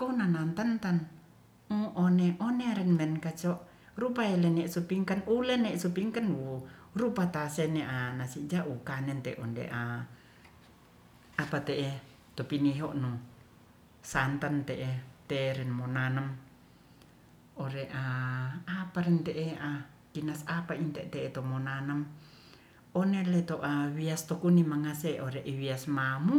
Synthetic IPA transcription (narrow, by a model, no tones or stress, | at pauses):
konanant̪ant̪an | uɔneʔɔneɾɛnmɛnkat͡ʃɔʔ | ɾupaɛlɛnɛsupiŋkanulɛnɛsupiŋkanuɾupat̪asɛnɛʔanasid͡ʒaʔukanɛnt̪ɛ̰ʔɔndḛʔa | apat̪eʔɛ | t̪opiniɦɔʔnu | sant̪ant̪eʔet̪eɾɛnmonanam | oɾeʔaapaɾɛnt̪eʔea | kinasapaint̪ɛʔt̪eːt̪omonanəm | onelet̪oʔawiast̪okunimaŋaseʔoɾeʔiwiasmamu